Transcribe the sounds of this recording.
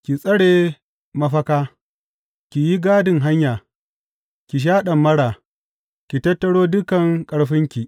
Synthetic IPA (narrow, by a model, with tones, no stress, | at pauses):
kʲi˨sʼɐ˦ɽeː˨ | mɐ˦ɸɐ˦kaː˦ | kʲi˨ji˦ɡaː˦dɪ˨ŋɦa˦ɲjaː˨ | kʲi˨ʃ̬aː˦ɗɐ˨mːɐ˦ɽaː˨ | kʲi˨tɐ˦tːɐ˦ɽoː˦dʊ˦kɐ˨ŋkʼɐ˦ɽɸɪ˦ŋkʲi˨